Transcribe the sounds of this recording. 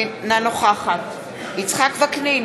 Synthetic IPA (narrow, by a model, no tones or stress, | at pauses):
nanoχaχat̪ | it͡sχakvaknen